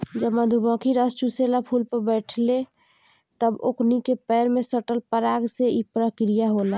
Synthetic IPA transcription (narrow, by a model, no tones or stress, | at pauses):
d͡ʒəbmad̪ʱubɔ̃kʰiɾəst͡ʃuselapʰuːlpəɾbɛːʈʰle | t̪əboknikepɛːɾmẽsəʈəlpəɾaːɡseipɾəkɾijaɦola